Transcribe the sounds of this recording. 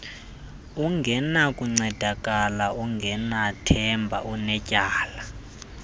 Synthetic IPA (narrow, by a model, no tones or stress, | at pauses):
uŋɡʱɛnakʼuŋ͡ǀɛd̥ʱakʼalauŋɡʱɛnatʰɛmbʱa̰ʔunɛcʼaːla